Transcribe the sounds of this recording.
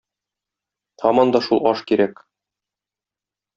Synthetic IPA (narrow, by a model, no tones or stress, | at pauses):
t̪ʰɒmɒnd̪ɒʃulˠɒʃkiɾæk